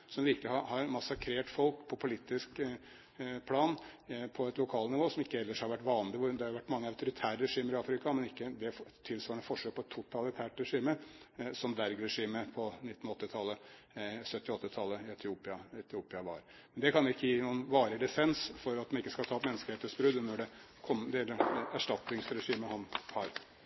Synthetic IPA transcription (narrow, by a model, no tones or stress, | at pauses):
sɔmʋɪɾkəlɪhɑhɑɾmɑsɑkʰɾeːʈfɔlkpʰɔpʰʊlɪt̪ːɪsk | pʰlɑːnpʰɔɛt̪lʊkʰɑːlnɪʋoːsɔmɪkːəɛlːəʂhɑɾʋæʈːʋɑːnlɪʋʊd̪ɛhɑjʊʋæʈːmɑŋːəɑʉt̪ʊɾɪt̪ʰæːɾəɾɛʂiːməɾɪɑːfɾɪkɑmɛnɪkːəd̪ɛft̪ʰɪlsʋɑːəɳəfɔʂɛl̚pʰɔɛt̪ʰːʊt̪ʰɑlɪt̪ʰæːʈɾɛʂiːməsɔmd̪æɾɡɾɛʂiːməpʰɔnɪt̪ːn̩ɔt̪ːɪt̪ʰɑlːə | sœt̪ːɪɔt̪ːɪt̪ʰɑlːəɪɛt̪ʰɪuːpɪɑɛt̪ʰɪuːpɪɑʋɑ̰ɾ | mɛnd̪ɛkʰɑnjʊɪkːəjiːnuːənʋɑːɾɪlɪsɛnsfɔɾɑt̪̚mɛnɪkːəskɑt̪ʰɑːt̪mɛnːskəlheːt̪əsbɾʉd̪nɔɖɛ | kʰɔməd̪ɛlːəæʂʈɑt̪nɪŋsɾɛʂiːməhɑnhɑɾ